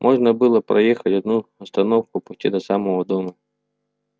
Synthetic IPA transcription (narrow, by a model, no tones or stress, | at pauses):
mʔɔʐnɐbɨlˠɔpɾɐjɛxɐtʲɔd̪̚nuɔst̪ɐnɔwkʊpʊstʲid̪ɐsɑmɔɦɔd̪ɔmɐ